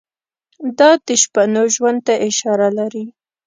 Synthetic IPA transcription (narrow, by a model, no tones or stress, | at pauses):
d̪ɑd̪əʃpanoʒwand̪̚t̪aʔɪʃɑɾalaɾi